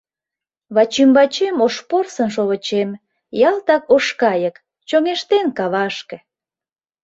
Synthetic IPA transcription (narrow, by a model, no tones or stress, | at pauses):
βɑt͡ɕymbɑt͡ɕemoʃporsənʃ̬oβət͡ɕem | jɑlt̪ɑkoʃkɑjək | t͡ɕoŋeʃt̪enkɑβɑʃkĕ